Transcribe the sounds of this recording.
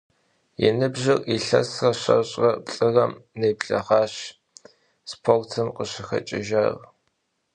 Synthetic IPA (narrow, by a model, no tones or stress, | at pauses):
jɛ̰nɨbʑɪriɬɐ̰srɐɕɐ̰ɕʼrɐpɬʼɨrɐmneːpɬɐ̰ʁɑːɕ | spʰoltʰɨmqəɕɪxɐ̰t͡ʃʼɪ̰ʒɐr